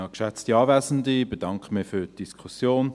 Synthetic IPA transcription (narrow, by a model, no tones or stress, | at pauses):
ɑkʃɛt͡stiɑːvɛːzn̩dibed̥ɑŋkχəmɪfyːtd̥iskʰusjoːn